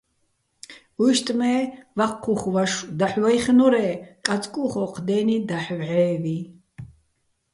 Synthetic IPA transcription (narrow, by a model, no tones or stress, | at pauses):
ujʃt̪ʼmɛːvaqʰːuχvaʃd̪aħwajχnuɾɛːkʼat͡sʼkʼuχɔqʰd̪ɛːnid̪aħvʕɛːvi